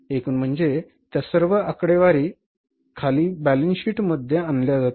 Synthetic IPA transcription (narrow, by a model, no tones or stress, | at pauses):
ekuːnm̤əɳd͡ze | t̪jasəɾʋəəkɽeʋaɾiː | kʰaliːbælənɕiːʈməd̪ʱjeanljad͡zat̪